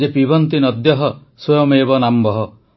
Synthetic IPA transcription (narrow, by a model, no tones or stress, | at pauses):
epibɔnt̪inɔd̪jɔɦɔ | swɔjɔmebɔnambɔɦɔ